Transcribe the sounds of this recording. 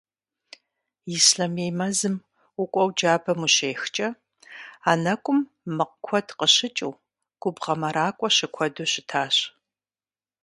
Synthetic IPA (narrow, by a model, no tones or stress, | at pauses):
isɬɐmejmɐzɨm | ʊkʷʼɔwd͡ʒaːbɐmuɕeːxt͡ʃʼɐ | aːnɐkʷʼʊmː | ɨqkʷʰɔdqəɕɪt͡ʃʼɨ̰w | ɡ̥ʷʊbʁɐmɐɾaːkʷʼɔɕɪkʷʰɔduɕɪtʰaːɕ